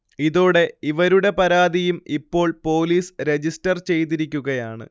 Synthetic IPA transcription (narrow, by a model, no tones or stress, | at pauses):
iðo̞ːɽe̞iʋɐɾuɽe̞pɐɾaːd̪ijumipːo̞ːɭpo̞ːliːsɾe̞d͡ʑistɐrt͡ɕe̞jt̪̬iɾikʲːuɣɐjaːɳɨ̰